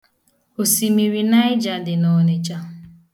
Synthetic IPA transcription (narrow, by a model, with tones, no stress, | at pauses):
o˨si˨mi˨ɾi˨na˦ɪ˦d͡ʒa˨dɪ˨nɔ˨ne˦t͡ʃa˦